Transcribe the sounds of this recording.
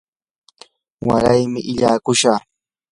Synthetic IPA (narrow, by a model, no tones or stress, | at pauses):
waɾajmɪʔɪʎaːkʊʃaχ